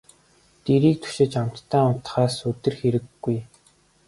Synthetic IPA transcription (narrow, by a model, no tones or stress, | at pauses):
t̪eɾiːk̚t̪ʰu̥ʃɪ̆t͡ɕam̥t̪ʰːæːʊt̪χaːsɵt̪ɘ̆rxeɾɘ̆ɡːuj